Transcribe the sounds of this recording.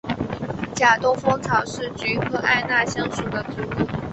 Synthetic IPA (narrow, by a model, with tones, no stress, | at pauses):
t͡ɕja˨˩t̪ʊ˥ŋfɤ˥ŋt͡sʰɑ˨˩ʊʂɻ̩˥˩t͡ɕy˧˥kʰɤ˧˥ʔa̰˥˧ɪna˥˧ɕjɑ˥˩ŋʂu˨˩d̪ə˨ʈ͡ʂu˧˥lu˥˩